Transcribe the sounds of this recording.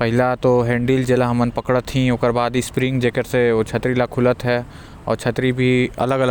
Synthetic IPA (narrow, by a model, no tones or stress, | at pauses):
pɐɦɪlat̪oɦẽːɳɖiːld͡ʒelaɦɐmənpɐkɽət̪ʰːĩõːkəɾbaːd̪ispɾɪ̃ŋɡd͡ʒeːkəɾseot͡ʃʰɐt̪ɾilakʰʊlət̪ɦɛ | ɔ̰ːɾt͡ʃʰɐt̪ɾibʱiɐ̰ləɡɐlə